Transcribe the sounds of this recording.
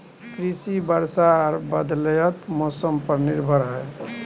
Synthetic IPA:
kɾisibəɾsaːɾbəd̪ləjət̪mosəmpəɾniɾbʱəɾɦɛ

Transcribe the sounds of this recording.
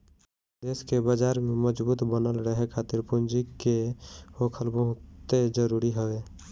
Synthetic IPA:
d̪eːskebad͡ʒaːɾmeməd͡ʒbuːt̪bənəlɾəɦekʰaːt̪ɪɾpʊnd͡ʒikeokʰəlbəɦʊt̪ːed͡ʒəɾuɾiɦəe

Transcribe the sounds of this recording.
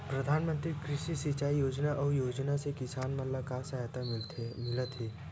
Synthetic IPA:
pɾɐd̪ʱaːnmə̃nt̪ɾikɾɪʃisɪt͡ʃaːijoːd͡ʒnaʔɔːjoːd͡ʒnasekɪsaːnmɐnlakasaɦt̪amɪlt̪mɪlət̪ɦeː

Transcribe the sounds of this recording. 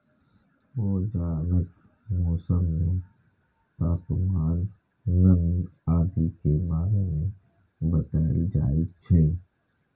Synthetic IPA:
ʋoːd͡ʒaːɾət̪ | mɔːsəmnẽ | paːpmaːnː | əŋiaːd̪ikebaːɾemẽ | bət̪aːḭd͡ʒa̰ːit͡ʃʰɛ

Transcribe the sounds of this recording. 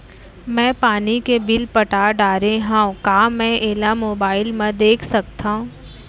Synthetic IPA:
mɛ̃ːpaːnikebɪlpɐʈaːɖaːɾeɦãkaːmɛ̃ʔeːlamoːbaːɪlmẽd̪eːkʰsɐkt̪aũː

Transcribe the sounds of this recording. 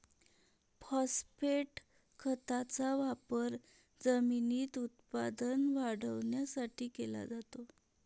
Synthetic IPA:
pɔspeʈ | kʰət̪at͡saʋapəɾ | d͡zəminiːt̪ut̪pad̪ənʋaɽəʋɳjasaʈiːkela̰d͡zat̪o

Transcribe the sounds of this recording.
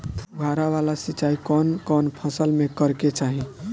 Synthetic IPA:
t̪ɡʱaɾaʋalasit͡ʃaikɔnkɔnpʰəsəlmẽkəɾket͡ʃaɦĩ

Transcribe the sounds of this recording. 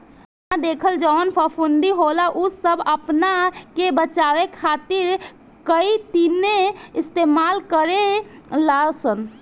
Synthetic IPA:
ad̪eːkʰəld͡ʒɔːnpʰəpʰund̪iɦolaʔʊsəbəpnakebət͡ʃaːwekʰaːt̪ɪɾ | kəit̪ineɪst̪eːmaːlkəɾe | lasən

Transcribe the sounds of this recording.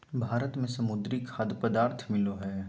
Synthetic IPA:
bʱaːɾət̪mẽsɐmʊd̪ɾikʰad̪pəd̪aːɾt̪ʰmɪloɦɛː

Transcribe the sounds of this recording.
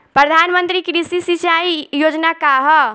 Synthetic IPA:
pɾəd̪ʱanmənt̪ɾikɾisisit͡ʃaijod͡ʒnakaɦɔ

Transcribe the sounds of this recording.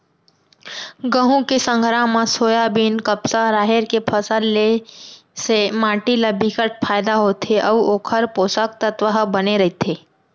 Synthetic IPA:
ɡəɦũkesə̃ŋɡʱɾaːmãsoːjabiːnkəpsaɾaːɦeɾkepʰəsəlːe | semaːʈiləbʱikəʈ̚pʰaːɪd̪aɦoːt̪ʰeʔəʋoːkʰəɾpoːsək̚t̪ət̪ʋəɦəbɐneɾɐɦet̪ʰeː

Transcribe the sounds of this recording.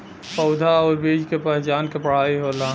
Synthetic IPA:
pəʊd̪ʱaɔːɾbed͡ʒkepəɦɪt͡ʃaːnkepəɽ̤aiɦola

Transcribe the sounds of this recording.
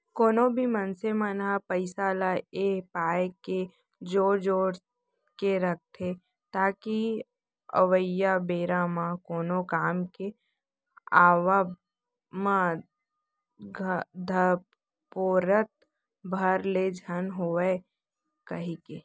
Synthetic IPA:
koːnõbʱimənsemənapəɪsaːlaepaːeke | d͡ʒoːɾd͡ʒoːɾ | keɾɐk̚t̪ʰe | t̪aːki | ə̰ʋəjabeːɾamãkoːnõkaːmke | aːʋa | mã | ɡd̪ʱə | poːɾət̪̚ | bʱəɾled͡ʒʱənɦoːe | kəɦĩkeː

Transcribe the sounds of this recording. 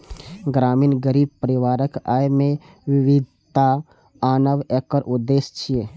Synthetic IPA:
ɡɾaːmiːnɡəɾiːb̚pəɾɪʋaːɾəkaːjmẽ | ʋɪʋɪd̪ʱ | t̪a | aːnəʋɛkəɾʔʊd̪ːeːst͡ʃʰie

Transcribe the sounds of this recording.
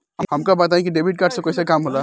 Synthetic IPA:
ɦəmkabət̪̬aẽkiɖeːbʱiʈ̚kaːɾɖsẽkojsakaːmɦola

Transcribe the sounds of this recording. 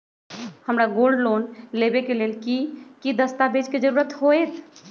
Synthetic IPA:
həmɾaɡolɖlonlebekelelkikid̪əst̪abed͡ʒked͡ʒəɾuɾət̪ɦoet̪

